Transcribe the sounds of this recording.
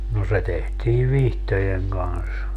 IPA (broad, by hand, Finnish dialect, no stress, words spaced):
no se tehtiː ʋihtojeŋ ɡ̊ɑns